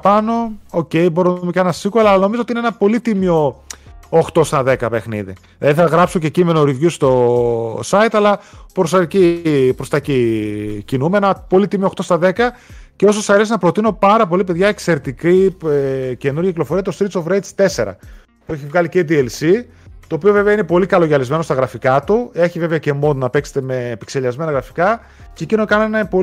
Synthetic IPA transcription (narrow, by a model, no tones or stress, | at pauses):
pɐno̞oce̞jbo̞ɾoumecnɐsikoɐlɐlɐno̞mizot̪ineenɐpo̞lit̪imio̞ | oxt̪o̞st̪ɐðe̞kɐpe̞xnḭðḭ | ðɐðiθeɐɣɾɐpso̞cecime̞noɾivʝust̪o̞sɐjt̪ɐlɐpɾost̪ɐcipɾost̪ɐcicinumeenɐpo̞lit̪imioxt̪o̞st̪ɐðe̞kɐ | ceo̞sosɐɾe̞sinɐpɾo̞t̪ino̞pɐɾɐpo̞lipe̞ðʝɐekse̞ɾet̪ikiece̞nuɾʝɐciklo̞fo̞ɾiɐt̪ost̪ɾit̪sovɾej̪st̪e̞se̞ɾɐ̰ | pue̞çivɣɐliced̪ielsi | t̪o̞ːpio̞veveɐine̞po̞likɐlo̞ʝɐlizme̞nost̪ɐɣɾɐfikɐt̪ue̞çive̞veɐce̞mo̞nonɐpe̞kse̥t̪e̞me̞pikse̞ʎɐzme̞nɐɣɾɐfi̥kɐ | cecinokɐnoenɐpo